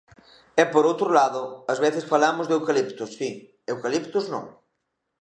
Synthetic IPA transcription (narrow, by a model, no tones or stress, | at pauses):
ɛpoɾowt̪ɾolaðʊazβeθɪsfalamʊzðewkalipt̪ʊsːi | ewkalipt̪ʊznõ̰ŋ